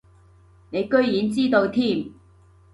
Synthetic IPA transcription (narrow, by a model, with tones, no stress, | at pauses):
ne˨˧jkɵ˥ɥjiː˨˥nt͡siː˥t̪o˧wt̪ʰiː˥m